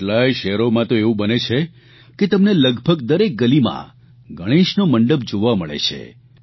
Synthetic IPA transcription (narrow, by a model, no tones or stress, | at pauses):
lajʃɛɦɾomãt̪oeʋũbənet͡ʃʰe | ket̪əmneləɡbʱəɡd̪əɾek̚ɡəlimã̰ | ɡʱəɽ̃iʃnoməɳɖəb̚d͡ʒoʋaməɭḛt͡ʃʰḛ